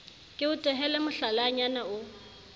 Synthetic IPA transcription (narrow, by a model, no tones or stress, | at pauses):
kʼɪʊtʼɛɦɛlɛmʊɬalaɲanaʊ